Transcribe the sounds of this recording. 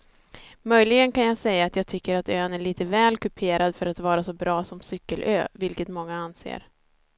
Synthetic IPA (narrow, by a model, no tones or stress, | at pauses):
mœjlɪɡənkanjaːɡsɛjːaːt̪jaːɡ̚t̪ʰʏkːəɾat̪øːnæɭiːt̪əvɛːlkɵpʰeːɾad̪fœɾat̪vɑːɾasɔbɾɑːsɔmsʏkːəlʔø̰ːvɪlkət̪mɔŋːaansḛːɾ